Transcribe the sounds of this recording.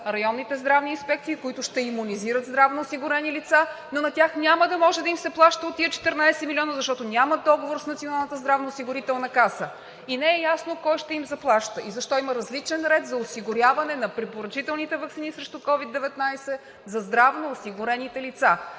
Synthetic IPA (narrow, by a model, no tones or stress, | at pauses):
ɾɐjɔnːit̪ɛzd̪ɾavniːnspɛk̚t̪siːkʊit̪ʊʃt̪ɛimuniziɾət̪zd̪ɾavnoosiɡʊɾɛnilit̪sanonɐt̪ʲaxnʲaməd̪ɐmɔʒɛd̪ɐimsɛplˠaʃt̪əot̪ːiət͡ʃɛ̥t̪ɛɾnajsɛmilʲiɔnəzɐʃt̪ɔt̪onʲaməd̪ɔɡovoɾsnɐt̪sionalˠnət̪əzd̪ɾavnɐʊsiɡʊɾit̪ɛlˠnɐkasə | inɛɛjasnokɔjʃt̪ɛimzɐplˠaʃt̪əizɐʃt̪ɔimɐɾɐzlit͡ʃɛnɾɛt̪zɐosiɡʊɾʲjavɐnɛnɐpɾipoɾɐt͡ʃit̪ɛlˠnit̪ɛvɐksinisɾɛʃt̪ʊkɔvid̪ːɛvɛt̪najsɛ | zɐzd̪ɾavnoːsiɡʊɾɛnit̪ɛlit̪sa